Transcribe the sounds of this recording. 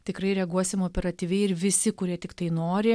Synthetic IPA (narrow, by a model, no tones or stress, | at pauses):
t̪ʲɪkɾɐɪɾʲɛɡuɔsʲɪmoːpʲɛɾɐt̪ʲiːʋʲɛɪɪɾʋʲɪsʲɪkʊɾʲiɛt̪ʲɪkt̪ɐɪnoːɾʲɪ